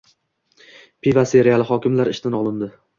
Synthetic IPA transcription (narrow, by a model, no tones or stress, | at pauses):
pʰivaseɾejalˠɪɦɒkʲɪmlaɾɪʃt̪ʰɪnɒlˠɪnd̪ɪ